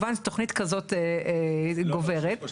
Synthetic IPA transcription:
vanto̞χnitkazo̞te | ɡo̞ve̞ʁet

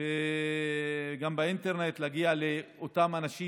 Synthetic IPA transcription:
e | ɡambeinteʁne̞t̪laɡialeotamanaʃi

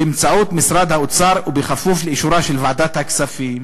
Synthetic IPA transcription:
bɪmt͡saʕuːt̪mɪsɾˤɑːd̪haʔʊt̪sɑːɾˤwbɪxafːuːfɪlʔɪʃuːɾaːʃɪlvaʕd̪aːt̪haksafiːm

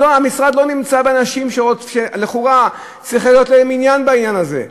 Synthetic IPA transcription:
oamisʁad̪lo̞nimt͡sabeanaʃimʃeoʃeleχuʁa | t͡sʁiχlijo̞t̪leminjanbainjanaze̞̰

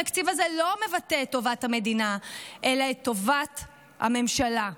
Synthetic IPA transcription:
aktivazelo̞me̞vateetːo̞vathame̞dinaelaet̪ːo̞vat | ha̰me̞mʃala

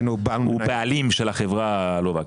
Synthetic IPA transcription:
nubalubealimʃelaχevʁa | lovak

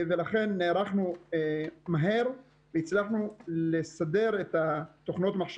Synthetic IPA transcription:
velaχenːeɾaχnu | maɦe̞ɾ | vejit͡slaχnulesade̞ɾet̪at̪oχno̞t̪maχʃ

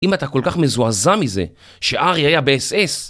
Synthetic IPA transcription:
imat̪ako̞lkaχme̞zuazamize̞̰ | ʃe̞ʔaʁiajabeese̞s

